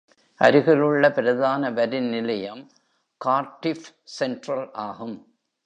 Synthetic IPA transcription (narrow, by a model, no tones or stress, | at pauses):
ʔɐ̰ɾɯɣɐɭɯɭːɐpɪɾɐðaːnɐʋɐɾɪnnɪlɐjɐm | kaːɾʈːɪf | sɛnʈɾɐlʔaːɣɯm